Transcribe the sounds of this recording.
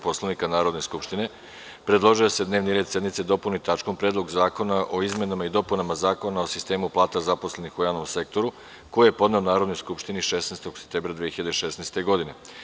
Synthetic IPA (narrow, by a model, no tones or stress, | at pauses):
po̞slˠaʋnikanaːɾo̞d̪ne̞skupʃt̪ine̞ | pɾed̪lˠo̞ʒijose̞d̪neʋniɾed̪sje̞d̪nit̪se̞d̪o̞punit̪at͡ʃko̞mpɾeːd̪lˠo̞ɡzaːko̞naʔo̞izme̞namaid̪o̞punamazaːko̞naosist̪e̞ːmuplˠaːt̪azapo̞sle̞nixujaːʋno̞mse̞k̚t̪o̞ɾu | ko̞jijepo̞d̪ne̞onaːɾo̞d̪nojskupʃt̪iniʃesnest̪oɡse̥pt̪eːbɾad̪ʋiexiʎad̪eʃesnejst̪e̞ɡo̞d̪ine̞